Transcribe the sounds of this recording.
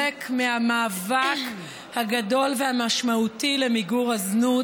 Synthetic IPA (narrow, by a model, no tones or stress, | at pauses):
ekmehamaːvak | haɡado̞lvehamaʃmautile̞miɡuʁaznu